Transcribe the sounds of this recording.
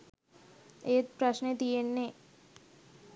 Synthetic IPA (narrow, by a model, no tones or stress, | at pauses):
eːt̪pɾəʃned̪ienːe